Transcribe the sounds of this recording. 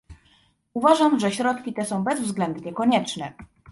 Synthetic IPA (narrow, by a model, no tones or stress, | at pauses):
uvaʐamʐɛɕɾɔt̪kʲit̪ɛsɔ̃w̃bɛzvzɡlɛnd̪ɲɛkɔɲɛt͡ʂnɛ